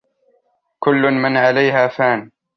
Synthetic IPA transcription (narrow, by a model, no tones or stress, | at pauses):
kʊlːʊnmɪnʕalajɦaːfaːn